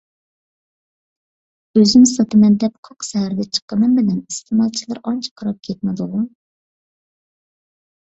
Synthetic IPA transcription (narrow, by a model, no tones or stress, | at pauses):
øzymsɑt̪ʰɨmɛnd̪ɛp̚qʰoqʃɛhæɾd̪ɛt͡ʃʰə̥qːəmɨmbɪlɛnist̪ʰɨmɑlˠt͡ʃʰilˠɨɾɑnt͡ʃʰɑ̥qʰɑɾɑp̚kʲʰɛt̪̚mɪd̪ʊʁu